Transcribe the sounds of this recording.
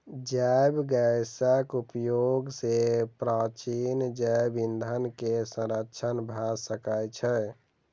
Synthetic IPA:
d͡ʒajbɡəsəkupjoɡsepɾat͡ʃind͡ʒabind̪ʱənkesə̃ɾəkːt͡ʃʰənbʱasəkəjt͡ʃʰɛ

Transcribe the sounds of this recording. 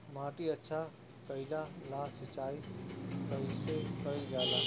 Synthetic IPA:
mãːʈiətːʃʰa | kəɪlalasɪt͡ʃaːikəɪlsekəid͡ʒjaːd̪a

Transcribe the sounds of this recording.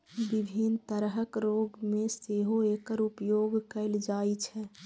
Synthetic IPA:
bibʱint̪əɾɦəkɾoɡmeseɦoekəɾupjoɡkəɪld͡ʒait͡ʃʰɛ

